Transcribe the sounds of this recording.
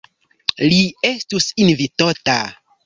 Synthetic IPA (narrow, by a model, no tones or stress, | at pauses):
lie̞stusinvitota